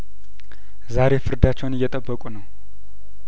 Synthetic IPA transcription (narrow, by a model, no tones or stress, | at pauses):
zaɾe̞fɨɾd̪at͡ʃːɛwnɨjːɛt̪ʼəbːəkʼunəw